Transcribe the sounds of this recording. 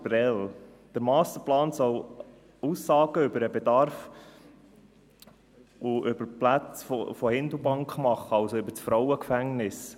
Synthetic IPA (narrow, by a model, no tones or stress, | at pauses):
bɾɛl | d̥əɾmɑːst̪əɾplɑːnsɔw | usːɑːɡ̥əʏbəɾəbɛd̪ɑɾf | ʔʊʔʏb̥əɾplæt͡sfɔ̰fɔhɪnd̪l̩ˠbɑŋkχmɑχːəɑʊsoʏbəɾt͡sfɾɔʊwəkfæŋnɪs